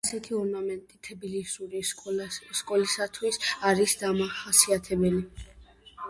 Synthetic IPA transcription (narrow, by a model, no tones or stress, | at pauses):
asɛt̪ʰiɔɾnamɛnt̪ʼit̪ʰɛbilisuɾi | skʼɔlisat̪ʰwisaɾisd̪amaχasiat̪ʰɛbɛli